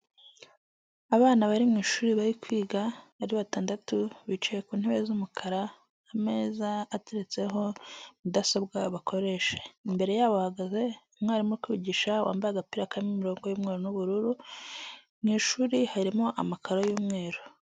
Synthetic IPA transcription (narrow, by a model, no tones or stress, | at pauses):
aβaːnaβaɾimŋiːʃuːɾiβaɾikwiːɡaβaɾiβataːndatuβit͡ʃejekuːn̥heβezumukʰaɾaː | me̞ːzaːteɾet͡se̞ɦo̞mudasabɡaβakʰo̞ɾe̞ʃe̥imbe̞ɾe̞jaːβohaɡaze̞umŋaːɾimokwiɟiʃawa̰ːmbaaɡapiɾakamimiɾo̞ːŋɡo̞juːmŋe̞ːɾonuβuɾuɾu | mŋiːʃuɾihaɾimo̞ʔamakʰaɾojuːmŋe̞ːɾo